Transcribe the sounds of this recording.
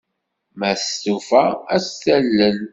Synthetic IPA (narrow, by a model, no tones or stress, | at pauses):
mæst̪ufææsθælːən